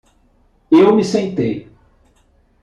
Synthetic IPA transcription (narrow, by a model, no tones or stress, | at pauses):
ewmɪsẽnt̪ej